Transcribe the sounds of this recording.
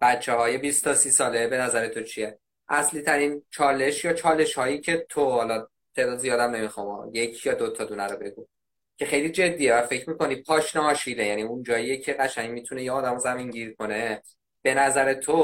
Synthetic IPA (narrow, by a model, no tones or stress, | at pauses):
b̥æt̪t͡ʃʰːeɦɒːje̞bist̪ʰɒsiːsɒːle̞be̞næzæɾet̪ʰo̞t͡ʃʰije̞ | ʔæsliːt̪ʰæɾint͡ʃʰɒːle̞ʃjɒːt͡ʃʰɒːle̞ʃhɒːjiːcʰe̞t̪ʰohɒlɒ | t̪ʰe̞d̪ɒːd̪ezijɒːd̪æmne̞mixɒmɒ̰je̞cʰjɒːd̪ot̪ʰɒd̪unæɾobe̞ɡuːm | cʰe̞xe̞jliːd͡ʒe̞d̪ːiːevæfe̞cʰɾmiːko̞nid̪̚pʰɒːʃnɒɒːʃiːlejæniund͡ʒɒːjijecʰe̞ɣæʃæŋmiːt̪ʰune̞jeɒːd̪æmɔzæmiŋɟiːɾkʰo̞ne̞ | b̥e̞næzæɾe̞t̪ʰo